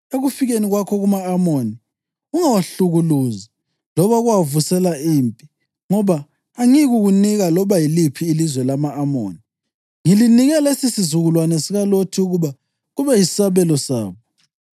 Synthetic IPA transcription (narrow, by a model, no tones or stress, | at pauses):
eɣufiɣeniɣwakʰɔɣumaːmoni | uŋawaɬuɣuluza | lɔβaɣuwavusɛlaiːmpʼi | ŋɔβaː | ŋiɣuɣuniɣalɔβajilipʰiːlizwɛlamaːmo̰ːni | ŋiliniɣɛlesisizuɣulwanɛsiɣalotʰiuɣuβa | ɣuβɛjisaβɛlɔsa̰ːβɔ